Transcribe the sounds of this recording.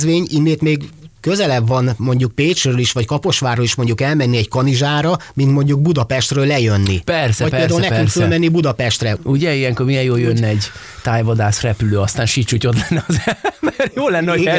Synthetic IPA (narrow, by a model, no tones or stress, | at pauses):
zʋeːɲinːeːt̪meːɡkø̞zɛlɛbvɒnmo̞ɲɟuk̚peːt͡ʃrøliʃʋɒckɒpo̞ʃʋaːrɾoliʃmo̞ɲɟukɛlmɛnːiɛɟkɒniʒaːɾɒmint̪mo̞ɲɟuɡ̚bud̪ɒpɛʃt̪røːlːɛjø̞nːipɛrsɛɒc̚peld̪aɦulnɛkyŋkkfølmɛnːibud̪ɒpɛʃt̪rɛuɟɛijɛŋkormijɛjjoːljønːɛɟ | t̪aːjvɒd̪aːsrɛpyløːɒst̪aːnʃit͡ʃucot̪lɛnːɛɒzɛbɛrjoːlɛnːɛoi